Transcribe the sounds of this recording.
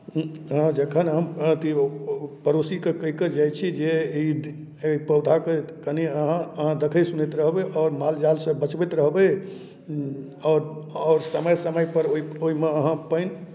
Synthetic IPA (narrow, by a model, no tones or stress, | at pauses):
ɦãd͡ʒəkʰənɦəmt̪ipəɾosikekəɦikəd͡ʒajt͡ʃʰid͡ʒei | ipəwd̪ʱakekəniəɦãəɦãd̪ekʰəjsunɛt̪ɾəɦbeʔɔːɾmald͡ʒalsə̃bət͡ʃbɛt̪ɾəɦbe | ɔːɾɔːɾsəməjsəməjpəɾoioimeəɦãpəjn